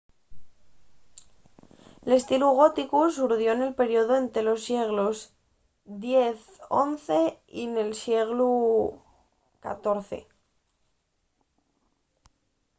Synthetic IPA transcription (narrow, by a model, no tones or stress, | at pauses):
le̞st̪iluɣ̞o̞t̪ikus̬uɾðjo̞ene̞lpe̞ɾjoðoent̪e̞lo̞sːje̞ɣ̞loz | ðje̞θ | o̞nθe̞ine̞lsje̞ɣ̞lu | ka̰t̪o̞ɾθe̞̰